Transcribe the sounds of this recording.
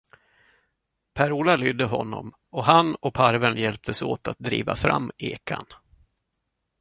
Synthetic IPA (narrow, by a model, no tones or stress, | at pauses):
pʰæɾuːlalʏd̪əɦɔnːɔ̰m | ɔɦanɔpʰaɾvənjɛlp̚t̪ʰəso̰ːt̪at̪̚d̪ɾḭːva̰fɾa̰mːeːkʰa̰n